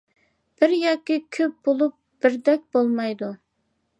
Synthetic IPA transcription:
b̥ɪɾjɑkʲːikʲʰøp̚b̥olˠup̚b̥ɪɾd̪ɛk̚ʲb̥olˠmɑjd̪u

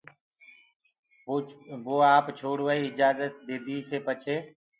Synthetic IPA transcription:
boːaːpt͡ʃʰoːɽʋəiːɪd͡ʒaːzət̪̚d̪eːd̪iːseːpət͡ʃʰeː

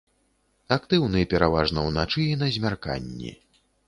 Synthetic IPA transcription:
akt̪ɨwnɨpʲɛɾavaʐnɐwnat͡ʂɨinɐzʲmʲarka̰nʲːḭ

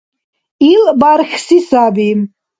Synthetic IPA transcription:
ilbaɾxsisabim

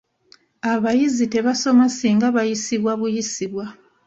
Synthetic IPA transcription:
aβajizite̞βaso̞masiːŋɡaβajisiβwaβujisiβwa

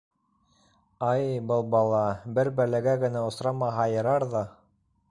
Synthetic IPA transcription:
ɑjbɤlˠbɑlˠɑbɘɾbælæɡæɡɘ̆næŏsɾɑmɑɦɑjɤ̆ɾɑɾðɑ

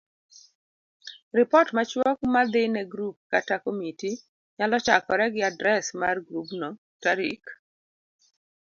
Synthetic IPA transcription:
rɪpɔtmat͡ʃwɔk̚mad̪ɪnɛɡɾup̚katakomiti | ɲalɔt͡ʃakɔɾɛɡɪadɾɛsmarɡɾupnɔ | taɾḭk

